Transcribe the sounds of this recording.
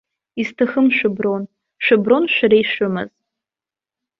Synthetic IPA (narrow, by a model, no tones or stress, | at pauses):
iztʰaxɨmʃʷᶣɨbron | ʃʷᶣɨbronʃʷᶣaɾajʃʊmɨ̰z̥